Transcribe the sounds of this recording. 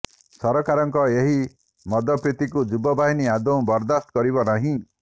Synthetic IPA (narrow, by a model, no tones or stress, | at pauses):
sɔɾɔkaɾɔŋkɔeɦi | mɔd̪ɔpɾit̪ikud͡ʒubɔbaɦiniad̪ɔw̃bɔɾd̪ast̪kɔɾibɔnaɦĩ